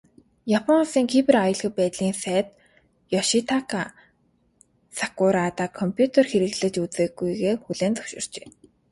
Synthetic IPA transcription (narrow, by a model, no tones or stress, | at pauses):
japʰɔnsiːŋkʰipĕrajɞ̆ɮɣə̆pæːt̪ɮiːnsæːt̪̚ | jɔʃit̪ʰakʰa | sakʊɾat̪aːkʰɔmpʰjut̪ʰerxeɾɘ̆ɣɮɘ̆t͡ɕut͡seːɣujɣeːxuɮeːnt͡sɔ̥wʃɪ̰̆r̥t͡ɕeː